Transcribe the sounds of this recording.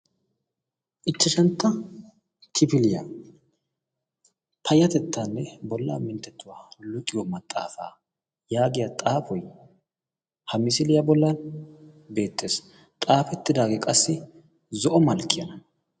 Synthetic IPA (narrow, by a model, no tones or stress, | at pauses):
ʔɪt͡ʃːɐʃɐnt̪ːɐ | t̪ʰɪpɪlɪjɐ | pʰɐjɐt̪ɛt̪ːaːnːɛbɔlːa̰ːmɪnt̪ːɛt̪ːʊwaːlʊt̪ʼːɪwɔmɐt̪ʼːa̰ːfa̰ː | jaːɡɪjɐt̪ʼaːfɔj | hɐmɪsɪlɪjɐbɔlːɐn | be̞ːt̪ːe̞ːs | t̪ʼaːfɛt̪ːɪd̪aːɡɛkʼɐsːɪ | zɔʔɔmɐlkːɪjɐnɐ